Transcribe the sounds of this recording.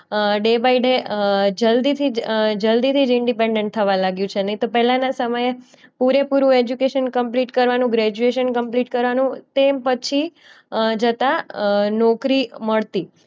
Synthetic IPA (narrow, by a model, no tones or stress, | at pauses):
ɖebaiɖed͡ʒəld̪it̪ʰid͡ʒəld̪it̪ʰid͡ʒɪɳɖipeɳɖẽɳʈ̚t̪ʰəʋãlaɡjũt͡ʃʰenəĩt̪opɛɦlãnasəməje | puɾepuɾũed͡ʒukeʃənkəmpliʈkəɾʋanũɡɾɛd͡ʒueʃənkəmpliʈkəɾʋanũt̪epət͡ʃʰi | d͡ʒət̪anɔkɾiməɭt̪i